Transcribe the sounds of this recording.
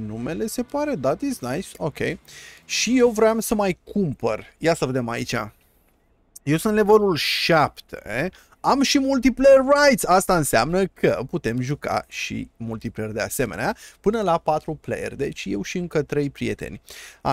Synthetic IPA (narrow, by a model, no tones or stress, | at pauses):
nume̞le̞se̞paɾe̞d̪at̪isnajsokʰʲe̞jʃije̞wvɾeamsəmajkʰumpə̰rjasəve̞d̪e̞ma̰it͡ʃa̰ | jewsɨnlevelulʃapt̪ʰe | amʃimult̪̬ipleerːajt̪sast̪aɨnsea̰mnəkʰə̰put̪e̞mʒuka̰ʃḭmult̪ipleerd̪e̞ase̞me̞neapɨnəlapat̪ɾuplḛjḛrd̪e̞t͡ʃje̞wʃiɨŋkət̪ɾe̞jpɾie̞̰t̪e̞̰nʲa̰